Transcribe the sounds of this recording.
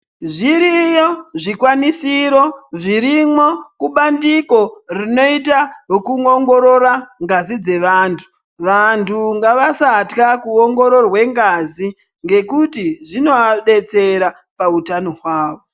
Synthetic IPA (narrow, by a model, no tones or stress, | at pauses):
ʐiɾijoʐikwanisiɾo̞ʐiɾimo̞kuɓandiko̞rino̞itakuŋoŋɡo̞ɾo̞ɾaŋɡazid͡ze̞ʋaːntʰu̥ | ʋantʰuŋɡaʋasatkakuoŋɡo̞ɾo̞rwe̞ŋɡazi | ŋɡe̞kutiʐino̞aɗe̞t͡se̞ɾa | pautano̞ɦwaːʋo